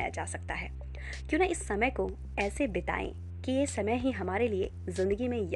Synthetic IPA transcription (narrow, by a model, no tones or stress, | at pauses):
ja̰d͡ʒa̰ːsɐk̚t̪a̰ɦɛː | kjõːneɪsːɐməjko | ɛːsebɪt̪a̰ːḛ̃ | kijesɐməjɦiɦɐmaːɾeliḛ | zɪ̃nd̪əɡimẽj